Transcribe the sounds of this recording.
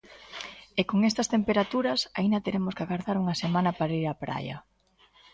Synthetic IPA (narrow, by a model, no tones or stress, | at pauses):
ekoŋest̪ɐst̪empeɾat̪uɾɐsaind̪ɐt̪eɾemʊskaɣaɾðaɾuŋɐsemãnɐpaɾaiɾapɾa̰jɐ̰